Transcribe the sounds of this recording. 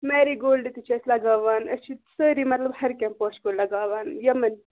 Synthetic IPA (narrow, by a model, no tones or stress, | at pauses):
meːɾiɡoːlɖit̪it͡ʃʰɐslɐɡaːʋaːnɐt͡ʃʰit̪səɾimɐt̪lɐbhɐɾkʲɛmpoːt͡ʃkoɽlɐɡaːʋaːnjɐmɐn